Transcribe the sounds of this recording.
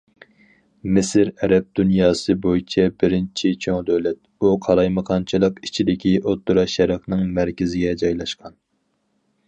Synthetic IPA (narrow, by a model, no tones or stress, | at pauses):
mɪsɪɾɛɾɛp̚d̪̥unjɑːsɨbojit͡ʃʰɛbɪɾɪnt͡ʃʰit͡ʃʰoŋd̪ølɛt̪̚ | uqʰɑɾˠɑjməqʰɑnt͡ʃʰɨlˠəqit͡ʃʰid̪ɪkʲʰiʔot̪ːuɾɑʃɛɾɑχnɨŋmæɾkʲɪzɪɡʲɛd͡ʒɑjlˠɑʃqʰɑn